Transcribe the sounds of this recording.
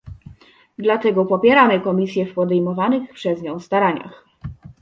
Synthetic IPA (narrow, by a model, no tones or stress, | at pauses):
d̪lat̪ɛɡɔpɔpʲjɛɾamɘkɔmʲis̬ʲjɛfpɔd̪ɛjmɔvanɘxpʂɛzɲɔ̃w̃st̪aɾaɲa̰x